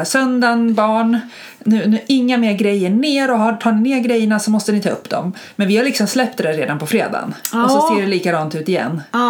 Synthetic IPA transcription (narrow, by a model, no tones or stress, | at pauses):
sœnd̪anbɑːɳ | nʉ̟ːnʉːʔɪŋːameːɾɡɾɛjːəɳeːɾɔɦaʈʰɑːɳɪneːɾɡɾɛjːəɳasɔmɔst̪ənɪt̪ʰɑːɵpːd̪ɔ̰m | mɛnvɪhalɪksɔmslɛp̚t̪d̪æɾeːd̪anpɔfɾeːd̪a̰nɔsɔseːɖɛliːkad̪ɑːnt̪ʉ̟ːt̪ɪjɛ̰nː